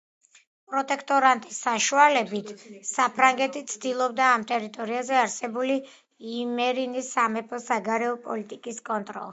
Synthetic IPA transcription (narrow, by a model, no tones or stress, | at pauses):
pʼɾɔt̪ʼɛkʰt̪ʼɔɾant̪ʼisːaʃualɛbit̪ʰsapʰɾaŋɡɛt̪ʰit̪sʰd̪ilˠɔbd̪aːmt̪ʼɛɾit̪ʼɔɾiazɛaɾsɛbuli | imɛɾinisamɛpʰɔsaɡaɾɛɔpʼɔlit̪ʼikʼiskʼɔnt̪ʼɾɔ̰lˠ